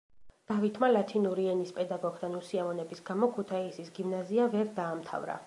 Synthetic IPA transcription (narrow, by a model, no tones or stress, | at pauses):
d̪̥avit̪ʰmalat̪ʰinuɾiɛnispʼɛd̪aɡɔɡd̪anusiamɔnɛbisɡamɔkʰut̪ʰaisisɡimnaziavɛɾd̪aːmt̪ʰa̰vɾa̰